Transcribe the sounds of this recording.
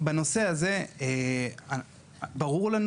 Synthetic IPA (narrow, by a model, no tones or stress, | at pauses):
bano̞se̞aze̞ea | baʁuʁlan